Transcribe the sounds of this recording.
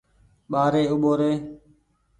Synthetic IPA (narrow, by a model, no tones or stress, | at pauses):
ɓaːɾeːʊɓoːɾeː